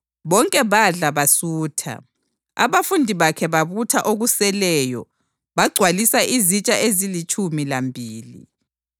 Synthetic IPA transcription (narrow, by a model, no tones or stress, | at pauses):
βɔŋkʼɛβaɮaβasuːtʰa̰ | a̰βafundʱiβakʰɛβaβutʰaʔoɣusɛlɛːjɔ | βaɡ͡ǀʱwalisaʔizit͡ʃʼaʔezilit͡ʃʼumilambʱiːlḭ